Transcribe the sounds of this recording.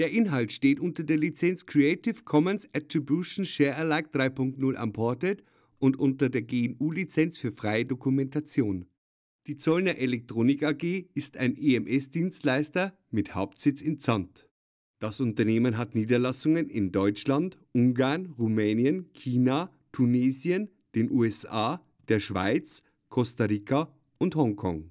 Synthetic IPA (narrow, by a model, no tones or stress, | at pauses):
d̥eːɐʔɪnɦaltʃteːtʔʊntɐdeːɐlit͡sɛnt͡skʁ̥iɛɪtɪfkʰɔmənsatʁ̥ibjuʃn̩ʃɛːɐʔɛɐlaɪk̚d̥ʁaɪpʰʊŋk̚tnʊlʔa̰mpʰɔɐtɛt | ʊntʔʊntɐdeːɐɡeːɛnuːlit͡sɛnt͡sfyːɐfʁ̥aɪədokumɛntat͡sjoːn | d̥iːt͡sɔlnɐʔɛlɛk̚tʁ̥oːnɪkaɡeːɪsta̰ɪnʔeɛmʔɛsd̥iːnstlaɪstɐ | mɪthaʊp̚tz̥ɪt͡sɪnt͡sant | d̥asʊntɐneːmənɦatniːdɐlasʊŋənɪ̰ndɔʏt͡ʃlantʔʊŋɡaɐnʁumɛːnjənkʰiːna | tʰuneːzjən | d̥eːnʔuːɛsʔaː | d̥eːɐʃv̥a̰ɪt͡s | kʰɔstaʁiːkʰa | ʔʊnthɔŋkʰɔ̰ŋ